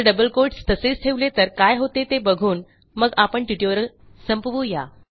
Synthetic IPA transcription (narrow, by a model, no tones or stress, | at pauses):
ɖəbəlkoɾʈst̪əset͡sʈʰeʋlet̪əɾkajɦot̪et̪ebəɡʱuːn | məɡapəɳʈiʈjuɾəl | səmpəʋuːja